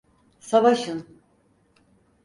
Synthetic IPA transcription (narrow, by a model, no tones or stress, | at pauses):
savaʃɯn